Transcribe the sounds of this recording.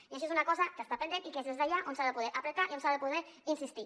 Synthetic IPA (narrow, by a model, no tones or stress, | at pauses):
iaʃ̬iezunakɔzakəst̪apend̪enikezðezðaʎaʔonsaðəpuðɛɾʔapɾət̪aʔionsaðəpuðeɾ | insist̪i